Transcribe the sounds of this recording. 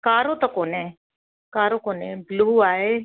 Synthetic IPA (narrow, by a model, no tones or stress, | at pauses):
kaːɾot̪ɐkoːne | kaːɾoːkoːnẽbluːaːeː